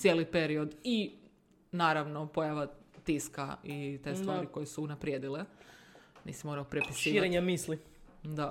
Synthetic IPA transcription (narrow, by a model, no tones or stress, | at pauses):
t̪sjeːlipe̞ɾiod̪i | naːɾaʋnopo̞jaʋat̪iskait̪est̪ʋaːɾiko̞jesuːnapɾjed̪ile | nḭːsimo̞ːɾaopɾepisʃiːaɾeɲamiːsli | d̪a